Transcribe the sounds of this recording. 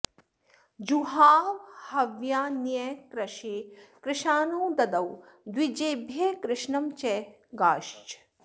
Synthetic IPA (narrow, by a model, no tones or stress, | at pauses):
d͡ʒuɦaːʋhɐʋjaːnjɐkɾɐʃeːkɾɪʃaːnoːd̪ɐd̪ɐw | d̪wid͡ʒeːbʱjeːkɾɪʃɳɐmt͡ʃɛː | ɡaːʃt͡ʃ